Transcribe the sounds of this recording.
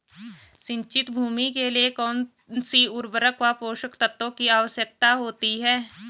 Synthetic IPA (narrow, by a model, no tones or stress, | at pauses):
ʃɪ̃ɲt͡ʃɪt̪bʱuːmikeliekɔːn | nsiʊɾbəɾəkʋapoːʃəkt̪ət̪ːõkiaːʋəsjək̚t̪aɦoːt̪iɦɛː